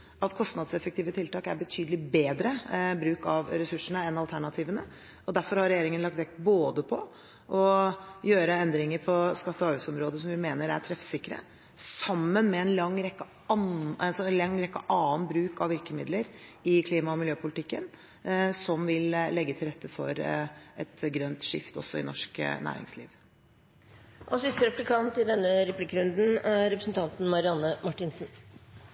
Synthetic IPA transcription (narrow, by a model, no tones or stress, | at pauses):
ɑt̪kʰɔst̪nɑd̪sɛfəkt̪ʰiːʋət̪ʰɪlt̪ɑːkæɾbət̪ʰyːd̪əlɪbeːd̪ɾəbɾʉːkɑʋɾɛsʉʂəɳəɛnɑlt̪ʰæɳɑt̪ʰiːʋənə | ɔd̪æɾfɔɾhɑɾɛjeːɾɪŋənlɑk̚t̪ʋɛk̚boːd̪əpʰɔ | ʔɔjøːɾəɛnd̪ɾɪŋəɾpʰɔskɑt̪ːəɔɑːʉːsɔmɾoːd̪əsɔmʋɪmeːnəɾæ̰ʈʰɾɛfsɪkːɾə̰ | sɑmːənmɛɛnlɑŋːɾɛkːə | ɑnɛsɔlɑŋːɾɛkːə̰ʔɑːənbɾʉːkɑʋɪɾkəmɪd̪ləɾɪkʰliːmɑɔmɪljøːpʰʊlɪt̪ɪkːən | sɔmʋɪllɛɡːət̪ʰɪlɾɛt̪ʰːəfɔ̰ɾɛt̪ɡɾœnt̪ʂɪ̰ft̪ɔ̰sːɔɪ̰nɔʂknæ̰ːɾɪ̰ŋsliːʋ | ʔɔsɪst̪əɾɛplɪkʰɑnt̪ɪd̪ɛnːəɾɛpʰliːkːəɾʉnd̪n̩ɾɛpɾsnt̪ʰɑnt̪n̩mɑɾɪɑnːəmɑʈːɪnsn̩